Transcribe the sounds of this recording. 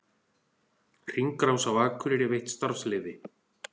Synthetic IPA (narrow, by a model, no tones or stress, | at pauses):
r̥iŋkɾawsawvaːkʰʏɾɪɾɪvejht̪st̪aɾslɪːðɪ